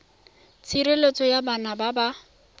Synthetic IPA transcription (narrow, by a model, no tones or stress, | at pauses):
t͡sʰiɾelet͡sʰɔjabanababa